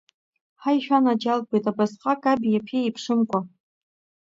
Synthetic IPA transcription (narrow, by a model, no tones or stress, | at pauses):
ħajʃᶣanad͡ʒalbejtʼabasqʼakʼabijapʰeipʰʂɨmkʷʼa